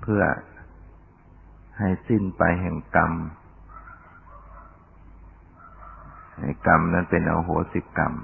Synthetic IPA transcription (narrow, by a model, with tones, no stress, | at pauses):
pʰɯ˧˩ɐ | ha˧˩jsi˧˥˨npa˧jɦɛ˧˩ŋka˧m | ha˧˩jka˧mna˧˥˨npe˨nʔa̰˧wɦoː˨˦si˧˩ka̰˧m